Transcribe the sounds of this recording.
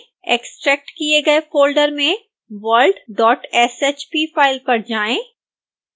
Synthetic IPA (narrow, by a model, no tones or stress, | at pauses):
eksʈɾɛːk̚ʈkieɡɐefoːlɖəɾmẽ | ʋəːlɖɖɔːʈɛseːt͡ʃpifaːɪlpɐɾd͡ʒaːẽː